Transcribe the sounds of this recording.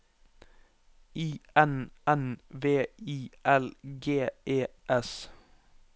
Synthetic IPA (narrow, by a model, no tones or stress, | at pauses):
iːɛnʔɛnʋeːiːʔɛlɡeːʔeːʔɛs